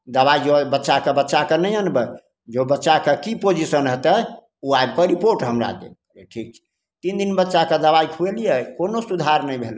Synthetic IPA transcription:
d̪əβaid͡ʒobətːʃakebətːʃakənəjənbə | d͡ʒobətːʃakekipod͡ʒisənɦət̪ə | uaeb̚kəɾipoɾʈɦəmɾa̰d̪ḛkeʈʰik̚t͡ʃʰi̥ | t̪ind̪inbətːʃaked̪əβajkʰuelijɛkonosud̪ʱaɾnəibʱel

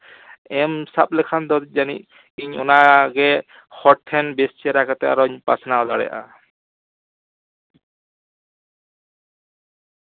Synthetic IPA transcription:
ɛmsap̚lɛkʰand̪ɔd̪it̪̚zaniʔ̚ | iɲɔ̰naɡɛ | hɔʈ̚t̪ʰːɛnbest͡ʃʰiaɾakʰat̪ɛa̰ɾɔɲpasnawd̪aɽɛ̰aʔa̰

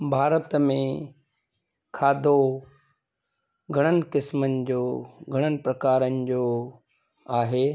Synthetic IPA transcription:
bʱaːɾət̪mẽ | kʰaːd̪ʱo | ɡʱɐɽ̃ənɪ̆kɪsmənɪ̆d͡ʑoːɡʱɐɽ̃ənɪ̆pɾɐkaːɾənɪ̆d͡ʑoː | aːɦeː

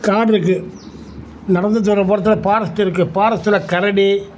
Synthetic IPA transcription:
kaːɽɪɾɯk̬ːɯ | nɐɽɐnd̪ɯt̪̬ɔɾɐpɐːɾɐt̪̬ːɯlɐpaːɾɐst̪ːɪɾɯkːɯpaːɾɐst̪ːɯlɐkɐɾɐɽi

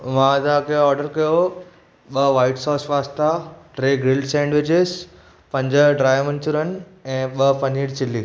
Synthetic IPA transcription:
mãt̪ɐãkʰeɔːɾɖəɾkɐjo | ɓɐʋaːɪʈsɔːsʋaːst̪aʈɾeːɡɾɪlɖsɛ̃ːɳɖʋɪd͡ʑɪz | pɐ̃ɲd͡ʑəɖɾaːjmɐ̃nt͡ɕʊɾənɛ̃ːɓɐpɐniːɽt͡ɕɪliː

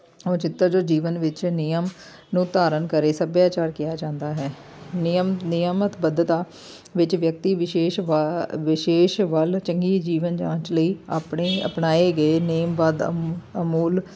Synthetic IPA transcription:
oːt͡ʃɪt̪ːəɾd͡ʒoːd͡ʒiːʋənʋɪt͡ʃnɪjəmnũːt̪aːɾənkəɾeːsəbjaːt͡ʃaːɾkɪjaːd͡ʒãːnd̪aːɦɛː | nɪjəmnɪjəmət̪bəd̪ət̪aː | ʋɪt͡ʃʋjək̚t̪iːʋɪʃeːʃʋɪʃeːʃʋəlt͡ʃəŋɡiːd͡ʒiːʋənd͡ʒã̰ːt͡ʃləiːa̰ːpɳeːə̰pnaːeːɡəeːneːmʋaːd̪əmuːl

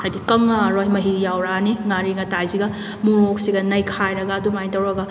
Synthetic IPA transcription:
hajdikɐŋːaɾojmɐɦijawɾaniŋaɾiŋɐtajziɡɐ | muɾok̚siɡɐnɐjkʰajɾɐɡaːdumajtɐwɾɐɡɐ

